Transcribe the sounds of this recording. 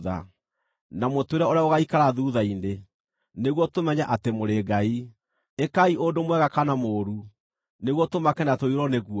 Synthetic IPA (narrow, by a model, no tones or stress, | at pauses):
ða̰ | namotweɾaoɾeaoɣaikaɾaðuðaine | neɣwɔtomɛɲaʔatemoɾeɡai | ekaiʔodomwɛɣakanamoːɾu | neɣwɔtomakɛnatoiɾɔneɣuɔ